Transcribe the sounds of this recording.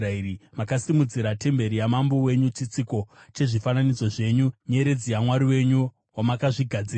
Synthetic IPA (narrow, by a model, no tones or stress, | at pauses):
airimakasimud͡ziɾate̞mbe̞ɾijamambo̞we̞ɲut͡ʃit͡siko̞t͡ʃe̞ʐifananid͡zo̞ʐe̞ɲuɲe̞ɾe̞d͡zijamwaɾiwe̞ɲu | wamakaʐiɡʱad͡ziːra